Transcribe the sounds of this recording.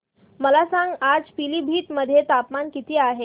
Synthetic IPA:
məlasãŋɡad͡zpiliːbʱiːt̪məd̪ʱːjet̪apmankit̪iːaɦe

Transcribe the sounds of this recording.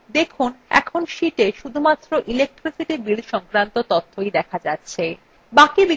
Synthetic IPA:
d̪ekʰunɛ̰kʰonʃiʈeʃud̪ʱumat̪ːɾoʔilek̚ʈɾisiʈibilʃɔŋkɾant̪ot̪ot̪ʰːojd̪ɛkʰad͡ʑatːɕʰe | bakibi

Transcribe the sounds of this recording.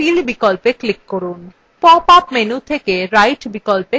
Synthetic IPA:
ilbikolpeklikːoɾun | pɔpapmenut̪ʰekeɾajʈbikolpe

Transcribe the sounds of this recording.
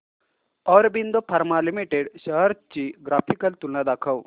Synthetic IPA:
ɔːɾbind̪opʰɐɾmalimiʈeɖʃəɦəɾt͡ʃiɡɾaːpʰikəlt̪ulnad̪aːkʰəw

